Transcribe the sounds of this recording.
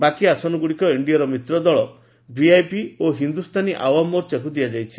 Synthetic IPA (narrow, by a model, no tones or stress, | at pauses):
bakiasɔnɔɡuɽikɔiɳɖijaɾɔmit̪ɾɔd̪ɔɭɔ | biajpioɦind̪ust̪ʰaniʔawamɔɾt͡ʃeɦud̪iad͡ʒajt͡ʃʰi̥